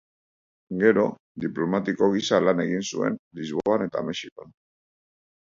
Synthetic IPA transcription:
ɡe̞ɾo̞ | d̪iplo̞mat̪iko̞ɣ̞isalane̞ɣinsue̞̰nlizβo̞ane̞t̪a̰me̞ʃikon

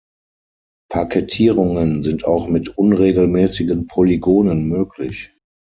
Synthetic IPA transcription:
pʰakʰetʰiːʁʊŋənzɪntʰaʊxmɪtʔʊnʁeːɡl̩mɛːsɪɡənpʰoliɡoːnənmøːkʰlɪç

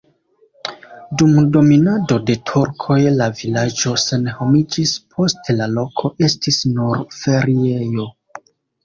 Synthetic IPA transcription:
dumdo̞minado̞de̞tʰuɾkʰo̞jlavilad͡ʒo̞se̞nho̞mid͡ʒispʰo̞stelalo̞kʰo̞ʔe̞stisnuɾfe̞ɾie̞jo̞

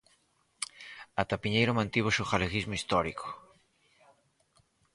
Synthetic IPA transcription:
at̪apiɲejɾomãnt̪iβ̞osuχaleɣizmoist̪ɔɾiko̥

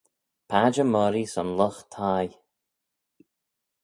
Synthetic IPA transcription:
pʰad͡ʒəmɔɾisɔnlɔxt̪ʰaj

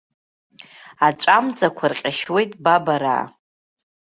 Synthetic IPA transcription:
at͡ʃʷʼamd͡zʼakʷʰarqʲʼaʃwe̞jtʼbabaɾa̰ː

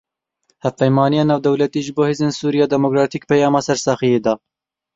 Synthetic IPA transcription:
hæfpɛjmɑːnijɑːnɑːwd̪ɛwlɛt̪iːʒɨboːheːzeːnsuːɾijɑːd̪ɛmokɾɑːt̪ʰiːk̚pɛjɑːmɑːsɛɾsɑxijeːd̪ɑː

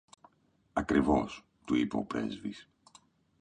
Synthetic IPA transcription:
ɐkɾivo̞s | t̪uipeopɾe̞̰zvis

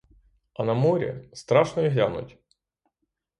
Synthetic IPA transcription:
ɐnɐmɔɾʲḭst̪ɾɑʃnɔjiɦlʲa̰nʊ̰tʲ

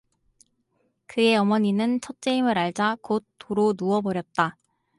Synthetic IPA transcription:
kɯe̞ʌmʌɲinɯnt͡ɕʰʌt̚t͡ɕ͈eimɯɾaɭd͡ʑakot̚t͈ʰːoɾonuʌbʌɾjʌt̚t͈a

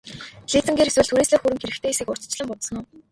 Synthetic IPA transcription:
ɮiːt͡sɘ̆ŋɡeːɾeswɘ̆ɮt̪ʰuɾiːsɮeːxuɾɘ̆ŋxeɾɘ̆kt̪ʰeːisĭːkʊr̥t͡s̆t͡ɕɮə̆mpʊt̪sə̆nʊː

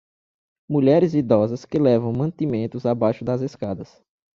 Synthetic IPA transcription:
muʎɛɾɪzid̪ɔzɐskɪlɛvɐ̃w̃mɐ̃t̪imẽnt̪ʊzabajʃʊd̪ɐzeskad̪ɐs

